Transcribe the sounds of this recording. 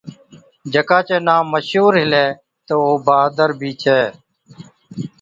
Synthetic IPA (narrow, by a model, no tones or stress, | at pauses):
d͡ʒəkãːt͡ʃeːnaːməʃuːɾɦɪlɛː | t̪oːoːbaːd̪əɾbʱiːt͡ʃʰɛː